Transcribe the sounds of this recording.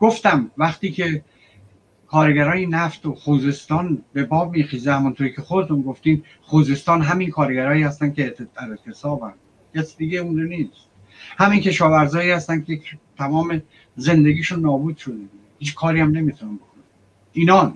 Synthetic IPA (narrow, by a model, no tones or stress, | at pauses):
ɡ̥oft̪æmvæχt̪iːkʰe | kʰɒːɾeɡæɾɒːjenæft̪oχuːze̞st̪ɒːnbebɒːbmiːχiːzehæmont̪ʰoɾiːcʰexod̪et̪ʰunɡoft̪iːm | χuːze̞st̪ɒːnɦæminkʰɒːɾeɡæɾɒːjːhæst̪æn̚kʰʲed̪̥æɾet̪ʰːe̞sɒːbænd̪ | kʰæsid̪iɡeund͡ʒeniːst̪ | hæmincʲʰe̞ʃɒːvæɾzɒːjiːhæst̪ænkʰejet̪ʰæmɒːme | ze̞nd̪e̞ɡiːʃunːɒːbuːd̪̥ʃo̞d̪ebu | hiːt͡ʃkʰɒːɾiːæmne̞miːt̪ʰunæmbo̞kʰonæ | iːnɒːn